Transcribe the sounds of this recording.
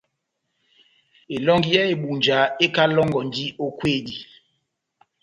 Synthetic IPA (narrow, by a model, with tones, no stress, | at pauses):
e˨lɔ˦ŋɡi˦jɛ˦e˨ɓu˨nd͡ʒa˨˦e˦ka˦lɔ˦ŋɡɔ˨n˨di˦o˦kweː˦˨di˨